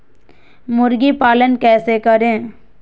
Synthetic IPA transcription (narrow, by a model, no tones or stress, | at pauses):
mʊɾɡipaːlənkɛːsekəɾẽː